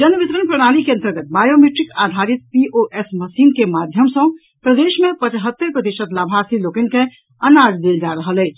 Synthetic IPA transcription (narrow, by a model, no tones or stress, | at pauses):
d͡ʒənʋit̪ɾənpɾəɽ̃alikeə̃nt̪əɾɡət̪̚bajomeʈɾikad̪ʱaɾit̪̚piʔoʔesməsinkemad̪ʱjəmsə̃ | pɾəd̪eʃmepət͡ʃɦət̪ːəɾpɾət̪iʃət̪labʱasilokənkẽ | ənad͡ʒd̪eld͡ʒaɾəɦəlɛt͡ʃ